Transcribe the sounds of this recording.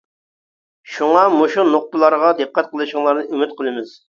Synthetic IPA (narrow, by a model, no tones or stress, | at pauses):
ʃuŋɑmoʃunoq̚pəlˠɑɾʁɑd̪ɨqːɑt̪̚qʰəlˠɨʃəŋlˠɑɾnɨymɪt̪qʰəlˠɨmɪz̥